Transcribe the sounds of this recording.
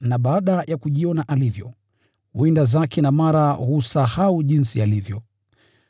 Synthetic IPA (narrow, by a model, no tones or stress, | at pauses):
naɓaaɗajʔakuʄiɔnaʔalivjɔ | windazakʰɛnamaɾahusahauʄinsialivjɔ